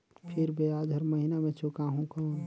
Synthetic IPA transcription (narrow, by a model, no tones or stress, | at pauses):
pʰɪɾbeaːd̪ʱəɾməɦinamẽt͡ʃʰʊkaːɦũkoːn